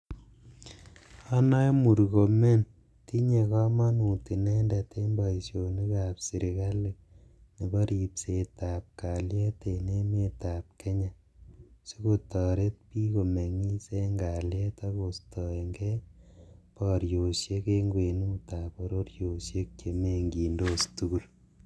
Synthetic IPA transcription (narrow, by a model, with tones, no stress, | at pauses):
a˦na˦jmu˨ɾko˨me˦n | ti˦ɲe˨kɔ˦ma˦nu˨ti˨nɛ˦ndɛ˨te˦mba˨i˨sjo˨ni˦ka˨psi˨ɾi˨ka˦le˨ | ni˨kɔ˦ɾi˨pse˨ta˨p̚ka˨ljɛ˦te˨ne˦me˦ta˨p̚ke˦ɲa˨ | so˦ko˨tɔ˨ɾe˦t̚pi˦ko˨me˨ŋi˦se˦ŋɡa˨ljɛ˦tɔ˦ko˨stɔ˨e˨ŋɡɛ˦ | pɔɾjo˨ʃje˦ke˦ŋɡwe˨nu˦muta˨pɔ˦ɾo˦ɾjo˨sje˦k̚t͡ʃe˨me˦ŋɡiː˨ndostu˦ku˦l